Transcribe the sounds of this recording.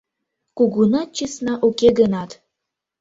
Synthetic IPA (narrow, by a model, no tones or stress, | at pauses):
kuɡunɑt̪̚t͡ɕɨsnɑʔukeɡənɑt̪